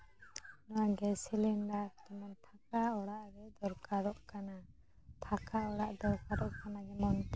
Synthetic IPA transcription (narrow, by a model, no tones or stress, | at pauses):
nɔwaɡɛsilinɖat̪ɛmɔnt̪ʰakaɔɽaʔɾɛd̪ɔɾkaɾɔʔkana | t̪ʰakaɔɽaʔd̪ɔɾkaɾɔʔkanad͡ʒɛmɔnt̪ɛ